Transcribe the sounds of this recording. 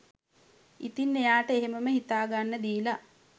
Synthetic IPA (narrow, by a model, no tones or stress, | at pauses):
ḭt̪inːejaːʈəeɦeməməɦit̪aːɡanːəd̪iːla